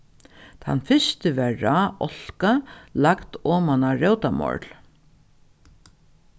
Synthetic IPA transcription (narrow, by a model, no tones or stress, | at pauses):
t̪ʰa̰nːfɪst̪əʋɛːaːɔl̥kalakt̪ɔːmanaɾœwt̪amɔ̰ɹl